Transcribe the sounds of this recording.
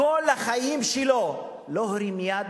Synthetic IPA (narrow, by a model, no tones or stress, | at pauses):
olhaχajimʃelo | loɦɾimjad̪